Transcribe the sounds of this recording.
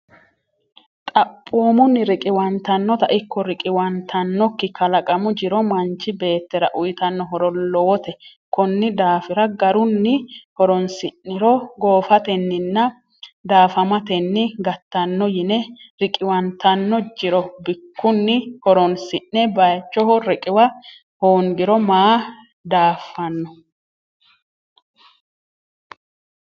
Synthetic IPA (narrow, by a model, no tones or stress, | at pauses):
t̪ʼɐpʼːoːmʊnːɪɾɪkʼɪwɐnt̪ɐnːɔt̪ɐʔɪkːɔɾɪkʼɪwɐnt̪ʰɐnːɔkːɪkɐlɐkʼɐmʊd͡ʒɪɾɔmɐnt͡ʃːɪbe̞ːt̪ːɛɾɐʔʊjt̪ɐnːɔɦɔɾɔlɔwɔt̪ɛ | kɔnːɪd̪aːfɪɾɐɡɐɾʊnːɪhɔɾɔnsɪnːɪɾɔɡo̞ːfɐt̪ɛnːɪnːɐ | d̪aːfɐmɐt̪ɛnːɪɡɐt̪ːɐnːɔjɪnɛɾɪkʼɪwɐnt̪ɐnːɔd͡ʒɪɾɔbɪkːʊnːɪhɔɾɔnsɪnːɛbɐjt͡ʃːɔhɔɾɛkʼɪwɐ | hoːŋɡɪɾɔmaː | d̪aːfːɐnːɔ